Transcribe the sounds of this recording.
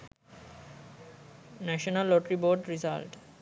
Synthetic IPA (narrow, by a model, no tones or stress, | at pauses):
næʃonalːoʈɾiboːɖɾiza̰lʈ